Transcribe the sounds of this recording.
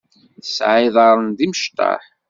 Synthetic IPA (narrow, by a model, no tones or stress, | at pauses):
əsʕɪðˤɑɾˤənðiməʃt̪ɑ̰ħ